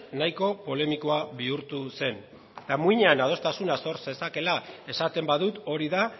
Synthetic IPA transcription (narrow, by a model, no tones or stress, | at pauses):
najko̞po̞le̞miko̞aβiuɾt̪use̞n | t̪amuiɲeanað̞o̞st̪asunaso̞ɾse̞sake̞lae̞sat̪e̞mbaðut̪o̞ɾiða